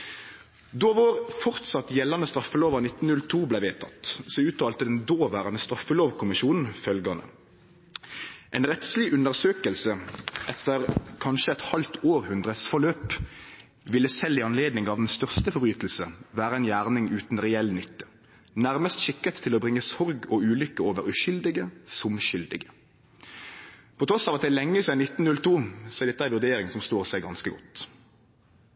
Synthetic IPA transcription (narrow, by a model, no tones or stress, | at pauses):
d̪ɔʋɑːʁfɔʁt̪sɑt̪jɛlːɑnəst̪ʁɑfːəloːʋɑnɪt̪ːn̩nʉlt̪ʰuːblæɪʋeːt̪ʰɑ̰t̪sɔʉːt̪ʰɑlt̪əd̪ɛnd̪oːʋæːʁənəst̪ʁɑfːəloːʋkʰʊmɪʃuːnn̩fœlɡɑnə̰ | ʔɛɪnʁɛt̪slɪʔʉnəʁsøːkəlsəʔɛt̪əʁkʰɑnʃəɛt̪hɑlt̪oːʁhʉnd̪ʁət̪sfɔʁløːp | ʋɪlːəsɛlːɪɑnleːd̪nɪŋɑːʋd̪ɛnst̪œʁst̪əfɔʁbʁyːt̪l̩səʋæːɾəɛnjæːʁnɪŋʉːt̪n̩ʁɛɛlnʏt̪ːə̥ | næʁməst̪ʃɪkːət̪ʰːɪlɔbʁɪŋːəsɔʁɡɔʉːlʏkəoːʋəʁʉʃʏld̪ɪɡəsʊmʃʏld̪ɪ̰ɡə | pʰɔt̪ʰɾɔsɑːʋɑt̪̚d̪ɛɪlɛŋːəsɛɪnɪt̪n̩nʉlt̪ʰuːsɔɛd̪ɛt̪ːəæɪʋʉʁd̪eːɾɪŋsɔmst̪oːʁsæɪɡɑnskəɡɔt̪ː